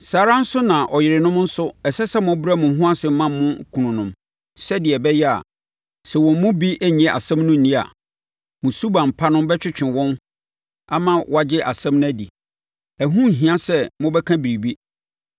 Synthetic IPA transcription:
saː˨ɾã˦n̩˦sʊ˦nã˨ʔɔ˨jɪ˨ɾɪ˨nʊ̃˦mn̩˦sʊ˦ɛ˨sɛ˦sɛ˦mʊ̃˦bɾa˦mʊ̃˨˦ɦʊ̃˦a˦sɪ˨m˦mã˦˨mː˦ʊ̃˦kʰũ˨nʊ̃˨nʊ̃˨m | sɛ˦dɪ˨ɛ˨bɛ˦jɛ˦a̰˨ | sɛ˨wɔ̃˨m˦mʊ̃˦bi˦ʔæ˦ɲ˨ɛ̃˨ʔa̰˨sɛ̃˦mnʊ̃˦n̩˨nĩ˦a̰˨ | mʊ̃˨su˦bã˨m˨pʰa˦nʊ̃˦mbɛ˦t͡ɕᶣɪ˦t͡ɕʰᶣɪ̃˨wɔ̃˦n | a˦mã˨wɔ˦a˨d͡ʑɪ˦ʔa˨sɛ̃˦mnʊ̃˦æ˦di˨ | æ˨ɦũ˦˨ɦĩ˨ã˦sɛ˦mʊ̃˦bɛ˦kʰã˦bi˨ɾi˨bi˦

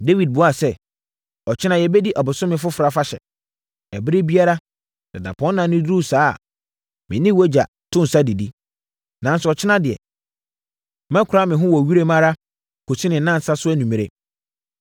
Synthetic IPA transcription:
de˦wi˨d̚bʊ˨a˨sɛ˦ | ɔ˨t͡ɕʰɪ˦nã˦jɛ˨bɛ˦di˦ʔa˨bʊ˨sʊ̃˦mɪ̃˨fʊ˦fɾa˦fa˦ɕɛ̰˨ | æ˨bɪ˦ɾɪ˦bi˦a˦ɾa˦ | sɛ˨da̰˨pʰɔ̃˦nː˦ã˨˦nʊ̃˦dɾu˦sa̰ː˦˨ | mɪ̰̃˨nɪ̃˦wɔ˦d͡ʑa̰˨ | tʰʊ̃˦n̩˨sa˦di˨di˦ | nã˨n˦sʊ˨ɔ˨t͡ɕʰɪ˦nã˦dɪ˨ɛ̰˨ | mɛ̃˦kʰʊ˨ɾa˦mɪ̃˨ɦʊ̃˦wɔ˨ɥi˦ɾe˦mã˦ɾa˦ | kʰo˨si˦nɪ̃˨˦nã˦n̩˨sa˦sʊ˦æ˦nũ˨mĩ˨ɾe˦

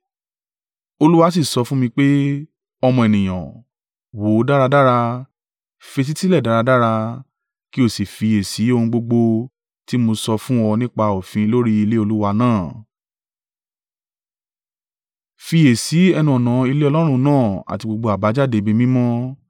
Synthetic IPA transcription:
o˧lu˦wa˧˦s̬i˦˨sɔ˧fũ˦mĩ˧k͡pe˦ | ɔ˧mɔ̃˧e˨nĩ˨j̃ã̰˨ | wo˨˦da˦ɾa˧da˦ɾa˧ | fe˧t̬i˦ti˦lɛ˦˨da˨˦ɾa˧da˦ɾa˧ | ki˦o˦˨si˨fi˨˧e˨si˨˦o˧hũ˧ɡ͡bo˧ɡ͡bo˧ | ti˦mo˧sɔ˧fũ˦ɔ˧nĩ˦k͡pa˧o˨fĩ˨˦˧lo˦ɾi˦i˧le˦o˧lu˦wa˧nãː˦˨ | fi˧je˨si˨˦ɛ˧nũ˦ɔ˨nã˨˦i˧le˦ɔ˧lɔ˦ɾ̃ũ˧nãː˦˨a̰˨ti˧ɡ͡bo˧ɡ͡bo˧a˨ba˨˦d͡ʒa˦˨de˧be˧mĩ˦mɔ̃˦

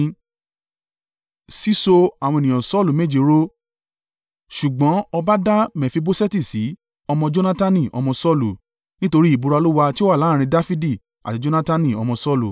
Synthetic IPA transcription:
si˦so˧a˨w̃ɔ̃˧e˨nĩ˨jɔ̃˨sɔ˦˨lu˨me˦d͡ʒi˦˨ɾo˦ | ʃu˨ɡ͡bɔ̃˨˦ɔ˧ba˦da˦mɛ̃˨fi˧bo˦sɛ˦ti˦˨si˨˦ | ɔ˧mɔ̃˧d͡ʒo˦na˦ta˦nĩ˦˨ʔɔ̰˧mɔ̃˧sɔ˦lu˨ | nĩ˦to˧ɾi˦i˦˨bu˧ɾa˧lu˦wa˧ti˦o˦wa˦˨la˨˦ɾ̃ĩ˧da˦fi˦di˦˨ | a̰˨ti˨˧d͡ʒo˦na˦ta˦nĩ˦˨ɔ˧mɔ̃˧sɔ˦lu˨

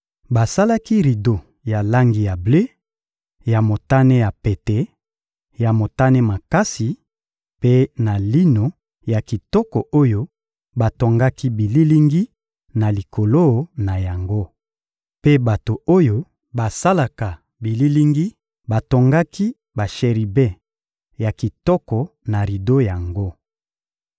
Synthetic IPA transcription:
ba˨sa˦la˦ki˦ʁi˨do˨ | ja˨la˦ŋɡi˨ja˨ble˦ | ja˨mo˨ta˦ne˦ja˨pe˨te˨ | ja˨mo˨ta˦ne˦ma˨ka˦si˨ | pe˦na˨li˦no˨ | ja˨ki˨tɔ˦kɔ˨ʔo˦jo˦ | ba˨to˨ŋɡa˦ki˦bi˨li˦li˦ŋɡi˦ | na˨li˨kʰo˨lo˦˨na˨ja˨ŋɡo˦ | pe˦ba˨to˨o˦jo˦ | ba˨sa˦la˨ka˨ | bi˨li˦li˦ŋɡi˦ | ba˨to˨ŋɡa˦ki˦ | ba˨ʃe˨ʁi˨be˦ | ja˨ki˨tɔ˦kɔ˨ | na˨ʁi˨do˦ja˨ŋɡo˦

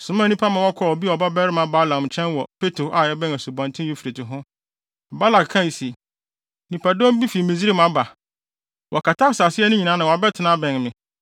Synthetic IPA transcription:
sʊ̃˨mã˦˨nĩ˦pʰa˦mã˨wɔ˦kʰɔ˨˦˨ɔ˨bi˦ɔ˨ba˦bɛ˦ɾɪ˦mã˦ba˦lã˨m˨t͡ɕʰɛ̃˦nwɔ˨pʰe˦tɾo˨ʔa˨ɛ˦bɛ̃˦ŋæ˨su˨bã˨ntʰɪ̃˦u˦fi˨ɾe˨tʊ˨ɦʊ̃˦˨ | ba˦la˨kkʰːã˦˨i˨si˨ | nĩ˨pʰa˨dɔ̃˦m˦bi˦fi˨mĩ˨zi˦ɾi˦mã˦ba˨ | wʔɔ˨kʰa˨tʰa˦sa˨sɪ˦ɛ˦nʊ̃˦ɲĩ˨nã˨˦nã˨wa˨bɛ˦tʰɪ˨nã˦bɛ̃˨nmɪ̃˨

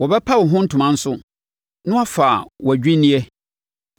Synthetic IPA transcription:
wɔ˨bɛ˦pʰa˦wɔ˨ɦʊ̃˦n̩˦tʰʊ˨mã˦n̩˦sʊ˦ | nʊ̃˦a˦fa˨wæ˨d͡ʑᶣi˦nĩ˦ɛ˦

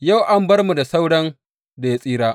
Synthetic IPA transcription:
ja˦˨wʔa˦mbɐ˦rmu˨da˨sa˦wɽɐ˦n | da˨ja˦sʼiː˦ɾaː˦

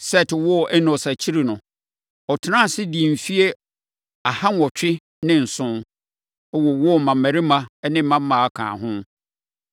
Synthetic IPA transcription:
sɛ˦˨tʰɪ˨wɔ˦˨ʔɛ˦nʊ̃˨sa˨t͡ɕʰi˦ɾi˨nʊ̃˨ | ɔ˨tʰɪ˨nã˦˨sɪ˦di˨m̩˨fi˦e˦ | a˨ha˦n˨ɔ˨t͡ɕʰᶣɪ˦ | nɪ̃˦n̩˨sʊ̃˦n | ɛ˦wɔ˨wɔ˦˨mã˨mæ̃˨ɾi˦mã˦nɪ̃˦m̩˦mːã˦m˦mã˨a˨kʰã̰ː˨ɦʊ̃˦

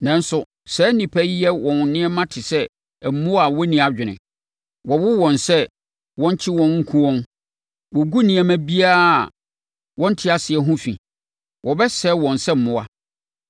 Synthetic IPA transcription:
nã˨n˦sʊ˨ | sɛː˨˦nĩ˨pʰæ˦jɛ˦wɔ̃˨n˨nɪ̃˦ɛ˦mã˦tʰɪ˨sɛ˦˨ | m̩˨mʊ̃˦a˨wɔ˦nĩ˨a˨d͡ʑᶣɪ˨nɪ̰̃˨ | wɔ˨wʊ˦wɔ̃˨nsɛ˦ | wɔ̃˦ɲ˦t͡ɕʰɪ˦wɔ̃˦nŋ̩˦kʰũ˦wɔ̃˦n | wɔ˨ɡu˦nĩ˨ɛ˨mæ̃˦bi˦a˦˨ | wɔ̃˦n̩˦tʰɪ˦a˨sɪ˨ɛ˨˦ɦũ˦fḭ̃˨ | wɔ˨bɛ˦sɛ˨˦wɔ̃˨nsɛ˦m̩˨mʊ̃˦a˦

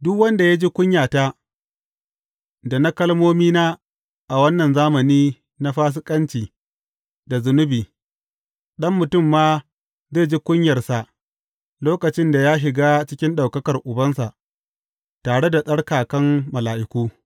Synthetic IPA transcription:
dʊ˦kwɐ˦nda˨ja˦d͡ʒi˦kʷʊ˦ɲjaː˨taː˦ | da˨na˦kɐ˦lmoː˦miː˦naː˦ | ʔa˨wɐ˦nːɐ˨nzaː˦mɐ˨niː˦ | na˦ɸaː˦s̬ɪ˦kʼɐ˦nt͡ʃiː˨ | da˨zʊ˨nʊ˦biː˨ | ɗɐ˦mːʊ˨tʊ˦˨mːaː˦ | zeː˦˨d͡ʒi˦kʷʊ˦ɲjɐ˨rsa˨ʔ | loː˦kɐ˨t͡ʃɪ˦nda˨jaː˦ʃɪ˨ɡaː˦t͡ʃɪ˦kʲɪ˦nɗa˨wkɐ˦kɐ˨rʔʊ˨bɐ˦nsa˨ʔ | taː˨ɽe˦da˨sʼɐ˦ɽkaː˨kɐ˦mːɐ˨laː˨ʔɪ˨kʷuː˦

